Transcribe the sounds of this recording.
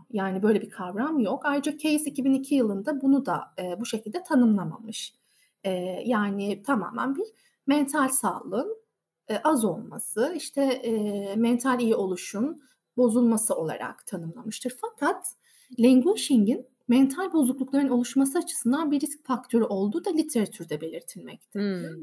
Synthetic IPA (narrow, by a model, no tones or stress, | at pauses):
jaːnibø̞jlʲɛbikʰavɾamjokajɾɯd͡ʒacʰe̞jisicibinicʰijɯlˠɯnd̪abunud̪a̰ːbuʃecʰilʲd̪ɛt̪ʰanɯmlˠama̰mɯʃ | ɛːjaːnɪt̪ʰama̰ːmæ̰nbiɾ | mɛnt̪ʰalʲsaːlˠɯɯn | ʔazo̞lˠma̰sɯiʃt̪ʰɛ | mɛnt̪ʰalʲijio̞lˠuʃun | bo̞zulˠmasɯo̞lˠa̰ɾa̰kt̪ʰanɯmlˠamɯʃt̪ʰɯɾfakʰat̪ | lʲɛŋɡuːʃiɲɟin | mɛnt̪ʰalʲbo̞zuklˠuklˠaɾɯno̞lˠuʃmasɯat͡ʃʰɯ̥sɯnd̪anbiɾiscfak̚t̪ʰø̞ɾyʔo̞lˠd̪uːd̪alʲit̪ʰe̞ɾat̪ʰyɾd̪ɛbe̞lʲiɾt̪ʰilʲmɛ̰c̚t̪ʰi